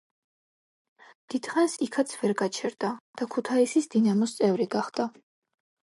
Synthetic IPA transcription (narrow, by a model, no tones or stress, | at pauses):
d̪̥id̪̥χansikʰat̪sʰvɛɾɡat͡ʃʰɛɾd̪ad̪̥akʰut̪ʰaisisd̪inamɔst̪sʼɛvɾiɡaχd̪a